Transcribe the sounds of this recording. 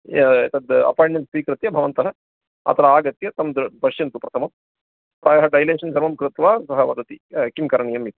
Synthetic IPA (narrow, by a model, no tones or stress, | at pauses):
t̪ɐd̪ɐ̰paːjɳmenʈsʋiːkɾɨt̪jɐbʱɐʋɐnt̪ɐɦɐ | ɐ̰t̪ʰɐɾɐaːɡɐt̪jɐt̪ɐmɐd̪ɾbɐʂjɐnt̪upɾɐt̪ʰɐmɐm | pɾʔaːjɐɦɐɖɐjleːʂɐnsɐɾʋɐmkɾɨt̪ʋaːsɐɦɐʋɐd̪ʱɐt̪ikimkɐɾɐɳijɐmit̪i